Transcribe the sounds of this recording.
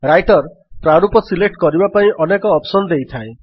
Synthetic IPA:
ɾajʈɔɾ | pɾaɾupɔsilek̚ʈkɔɾibapaĩʔɔnekɔːpsɔnɔd̪ejt̪ʰaẽ

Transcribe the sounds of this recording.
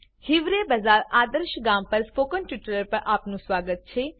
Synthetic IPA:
hɪʋɾeːbɐzaːɾaːd̪əɾʃɡaːmpɐɾspoːkənʈiʈɾəɾpɐɾʔaːpnũsʋaːɡət̪̚t͡ʃʰeː

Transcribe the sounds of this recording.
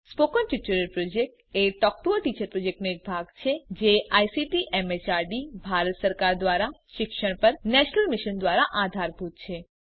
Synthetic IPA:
spokənʈit͡ʃuɾəlpɾod͡ʒek̚ʈ | eʈɔk̚ʈ̪uəʈit͡ʃəɾpɾod͡ʒek̚ʈnebʱaɡt͡ʃʰed͡ʒeajsiʈiʔɛmet͡ʃaɾɖibʱaɾət̪səɾkaɾd̪ʋaɾaʃɪkʃəɽ̃pəɾnɛʃnəlmɪʃənd̪ʋaɾaʔad̪ʱaɾbʱut̪̚t͡ʃʰe

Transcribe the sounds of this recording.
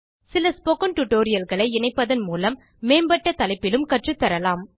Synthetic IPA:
sɪlɐspokɐnʈʊʈoːɾɪjɐlɣɐɭɐɪɛnɐɪpːɐðɐnmuːlɐmː | eːmbɐʈːɐt̪ɐlɐɪpːɪlɯmkɐʈrɯt̪ːɐɾɐlaːm

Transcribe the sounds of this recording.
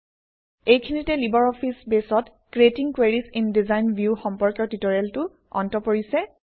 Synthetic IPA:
ejkʰinitɛlibɔɹɔpʰisbesɔt | kɹetiŋkweɹisindizajnbʱjuxɔmpɔɹkjɔɹtitɔɹeltʊ | ɔ̰ntɔpoɹisɛ

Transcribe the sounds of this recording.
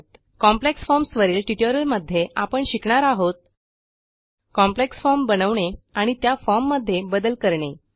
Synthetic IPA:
t̪ | kɔmpleksfɔɾmsʋəɾiːlʈiʈoɾəɾməd̪ʱːjeʔapəɳɕikɳaɾaɦot̪̚ | kɔ̃mpleksfɔɾmbənəʋɳeaɽ̃it̪jafɔɾmːəd̪ʱːjebəd̪əlkəɾɳe

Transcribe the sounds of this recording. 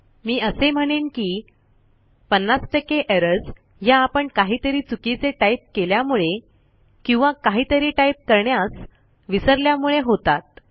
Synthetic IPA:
miːəsem̤əɽ̃iːnkiː | pənːasʈəkeʔeɾəɾs | jaːpəɳkaɦiːt̪əɾiːt͡sukit͡seʈaip̚keljamuɭe | kĩw̃ʋakaɦiːt̪əɾiːʈaip̚kəɾɳjas | ʋisəɾljamuɭeɦot̪at̪̚

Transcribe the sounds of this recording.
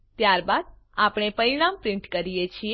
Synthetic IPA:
t̪jaɾbad̪̚ | apɽ̃epəɾiɽ̃ampɾɪ̃ɳʈkəɾijet͡ʃʰie

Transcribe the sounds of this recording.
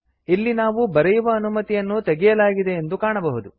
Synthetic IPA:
ilːinaːʋubɐɾɛjuʋɐːnumɐt̪ijɐnːut̪eɡɛjɐlaːɡid̪e̞ːnd̪ukaːɳɐbɐɦud̪u

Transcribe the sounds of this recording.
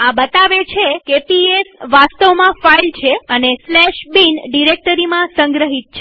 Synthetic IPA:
ãbət̪aʋet͡ʃʰekepiesʋast̪əʋmãfailt͡ʃʰeəneslɛʃbinɖiɾek̚ʈəɾimãsə̃ŋɡɾəɦit̪̚t͡ʃʰe

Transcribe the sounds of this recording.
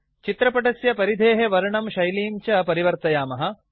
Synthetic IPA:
t͡ʃit̪ɾɐpɐʈɐsjɐpɐɾid̪ʱeːɦeʋɐɾɐɳɐmʃɐjliːmt͡ʃɐpɐɾiʋɐɾt̪ɐjaːmɐɦɐ̆

